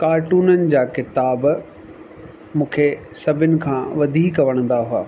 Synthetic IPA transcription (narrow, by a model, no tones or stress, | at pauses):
kaːɾʈuːnənɪ̆d͡ʑaːkɪt̪aːb | mũːkʰe | sɐbʱɪnɪ̆kʰãːʋɐd̪ʱiːkːɐʋəɽ̃ə̃nd̪aɦua̰ː